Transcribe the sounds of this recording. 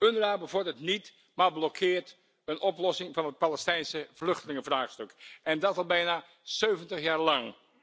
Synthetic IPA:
øndəraːbəvʊɹrdətnit | mablokʰɪːɹt | ənʔɔplɔsɪŋvɑnət̚palɛstɛjnsəv̥lɵxtəlɪŋəvraːχstøkɛndɑtɑlˠbɛjna | søːvəntəχjaːɹlɑŋ

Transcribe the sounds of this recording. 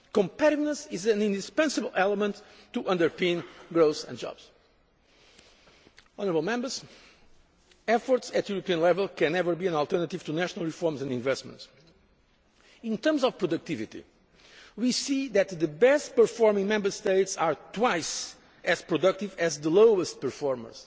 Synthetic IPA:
kɔ̃mpɛɾɪvnəsizɨ̃nĩnd̪ispɛ̃nsɨbəl̩ˠʔɛlˠəmə̃ntːuʔʌ̃ndə˞pẽnɡɹoʊθsɛ̰̃nd͡ʒɔ̰bz̥ | ɔnə˞əbəlˠmɛ̃mbə˞z | ɛfɔɹtsɨt̪juɾopiə̃nlɛvəlˠkɛ̃nːɛvə˞biɨ̃nalˠt̪ɜɹnət̪iv̥t̪næʃənəlˠɹifɔɹmzɛ̃ndĩɱvɛstmə̰̃nts | ĩnt̪ə̃ɾmzɔv̥pɹɔd̪ɨk̚t̪ivit̪ḭ | wisiðɨt̪̚ðɨbɛst̚pəɹfɔɹmɪ̃ŋmɛ̃mbə˞st̪eɪtsaɹt̪waɪs | ɨzpɹɔdʌk̚t̪ivɛzðəloʊəst̚pəɹfɔɹmə̰˞s

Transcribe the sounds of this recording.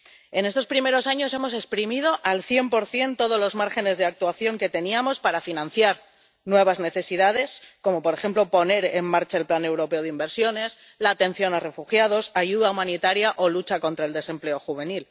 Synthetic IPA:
e̞ne̞st̪o̞spɾime̞ɾo̞saɲo̞se̞mo̞se̞kspɾimið̞o̞ʔalθje̞mpo̞ɾθje̞nt̪o̞ð̞olo̞zmaɾxe̞ne̞zðe̞ak̚t̪waθjo̞ŋke̞t̪e̞niamo̞spaɾafinãn̟θjaɾ | nwe̞β̞azne̞θe̞siðað̞e̞sko̞mo̞po̞ɾe̞xe̞mplopo̞ne̞ɾe̞mmaɾt͡ʃaelplane̞wɾo̞pe̞o̞ð̞imbe̞ɾsjo̞ne̞s | laːt̪e̞nθjo̞nare̞fuxjað̞o̞saʝuðaumãnit̪aɾjaʔo̞lut͡ʃako̞nt̪ɾaeld̪e̞se̞mple̞o̞xuβe̞nil

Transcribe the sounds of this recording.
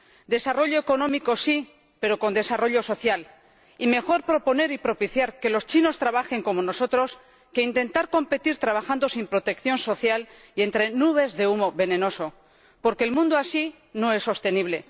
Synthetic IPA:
d̪e̞saro̞ʎo̞eko̞nõ̞miko̞si | pe̞ɾo̞ko̞nd̪e̞saro̞ʎo̞so̞θjal | ime̞xo̞ɾpɾo̞po̞ne̞ɾipɾo̞piθjaɾke̞lo̞st͡ʃino̞st̪ɾaβaxe̞ŋko̞mo̞no̞so̞t̪ɾo̞s | ke̞int̪e̞nt̪aɾko̞mpe̞t̪iɾt̪ɾaβaxand̪o̞simpɾo̞t̪e̞kθjo̞nso̞θjal | ie̞nt̪ɾe̞nuβ̞e̞zðe̞umo̞βe̞nẽ̞no̞so̞ | po̞ɾke̞ːlmũnd̪oasi | no̞e̞sːo̞st̪e̞niβ̞le̞

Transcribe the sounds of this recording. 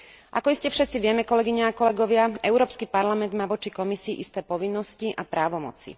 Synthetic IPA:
ʔa̰kɔiscɛfʃɛt̪t͡siʋɪɛmɛkɔlɛɡiɲɛːkɔlɛɡɔʋɪaɛʊɾɔːpskipaɾlamɛnd̪maːʋɔt͡ʃikɔmisiːʔist̪ɛːpɔʋinːɔsciʔapɾaːʋɔmɔ̰t͡sḭ

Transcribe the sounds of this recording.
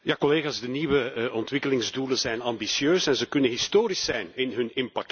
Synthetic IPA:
jaːkɔleːɣaːzdəniːʋəɔntʋɪkəlɪŋzduːlənzɛjnɑmbisjøːsɛnzəkɵnənɦɪstoːɾisɛjnɪnɦɵnɪmpɑk̚t

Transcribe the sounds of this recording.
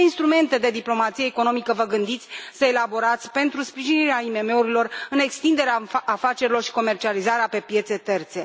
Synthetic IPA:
inst̪ɾume̞nt̪e̞d̪e̞d̪iplo̞mat̪sije̞ːko̞no̞mikəvəɡɨnd̪it̪sʲsəe̞labo̞ɾat̪sʲpe̞nt̪ɾuspɾiʒiniɾeaime̞me̞uɾilo̞rɨne̞kst̪ind̪e̞ɾeaafat͡ʃe̞ɾilo̞rʃi̥ko̞me̞rt͡ʃializaɾeape̞pje̞t̪se̞t̪e̞rt̪se̞

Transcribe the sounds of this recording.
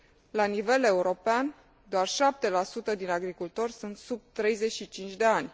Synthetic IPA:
lanive̞le̞uɾo̞pean | d̪oarʃap̚t̪e̞lasut̪əd̪inaɡɾikult̪o̞rʲsunt̪sub̚t̪ɾe̞jze̞t͡ʃʃit͡ʃint͡ʃʲd̪e̞anʲ

